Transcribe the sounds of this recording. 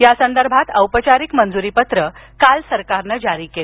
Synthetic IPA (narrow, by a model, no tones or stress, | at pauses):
jasənd̪əɾbʱat̪əwpət͡ɕaɾikmənd͡zuɾiːpət̪ɾə | kalsəɾkaɾnəd͡ʑaɾiːkel